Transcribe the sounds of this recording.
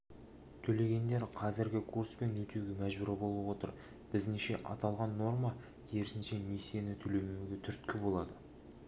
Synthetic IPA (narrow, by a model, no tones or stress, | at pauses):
t̪ʰɵle̞ɡʲe̞nd̪e̞ɾqʰɑzɪɾɡʲɪkʰurspe̞nwɵt̪ewɡʲe̞mæʒbʏɾɪbo̞lˠəpwo̞t̪ə̰ɾ | b̥ɪzɪnʃe̞ʔɑ̰t̪ɑlˠʁɑnːo̞rma | kʲʰeɾsɪnʃe̞misːijanɪt̪ʰɵle̞mewɡʲe̞t̪ʰʏɾt̪̚kʲɪbo̞lˠɑd̪ə